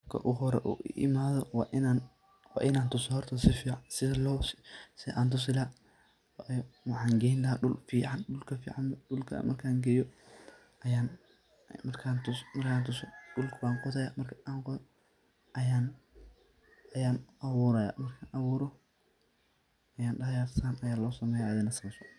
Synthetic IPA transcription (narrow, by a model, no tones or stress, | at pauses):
kʰɐ̰ʔuɦɔɾɛ̰ʔṵːʔɪ̰ʔɪ̰maːðɔwʔnan | wɑ̰ːʔɪnaːnt̪ʊsɔhɔrt̪ʰɐsɪfiːʕɑnsɪðɐlɔwssɪʔaːnt̪̬ʰʊs̬ɪlaː | wɑħɑːŋɡɛhɪnlɐɦaːɗʊlfiːʕɑnɗʊlkʰɐfḭːʕɑnɗʊlkʰɐ̰mɐrkʰaːŋɡɐjɔ | ɐjaːn | mɐrkʰaːnt̪ʊsmɐrkʰaːnt̪ʰʊsɔɗʊlkʰʊwaːŋqɔðɐjaːmɐrkʰɐ̥ʔaːqɔ | jaːn | ɐjaːnɐβuːɾɐja̰ːmɐrkʰaːnʔɐβuːɾɔ | ɐjaːnɖɐjaːɾsaːnɐjaːlɔːsɐmɛːjaːʔːðɪnɐsɐmɛsɔ̥